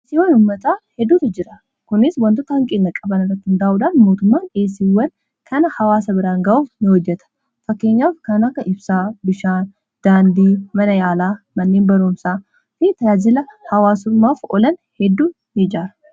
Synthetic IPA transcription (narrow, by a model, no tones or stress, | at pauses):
ʔːsiwɐnʊːmːɐt̪aːhɛd̪ːuːt̪ɐd͡ʒɪɾɐ | kʊnɪswɐnt̪ɔt̪ɐhɐŋkʼɪnːɐkʼɐbɐnɪrɐt̪ːɪhnd̪aːʔuːᶑaːnmo̞ːt̪ʊmːaːneːs̬iwɐn | kʰɐnɐhɐwaːsɐbɪɾaːŋɡɐʔuːfnɪhɔd͡ʒːɛt̪ɐ̥ | fɐkːe̞ːɲːaːfkɐnɐkːɐʔɪbsaːbɪʃaːn | d̪̥aːnd̪iːmɐnɐjaːlaːmɐnːeːnbɐɾuːmsaː | fɪt̪ɐaːzɪlɐhɐwaːsʊmːaːfɔlɐnhɛd̪ːuː | jɛd͡ʒaːɾɐ̥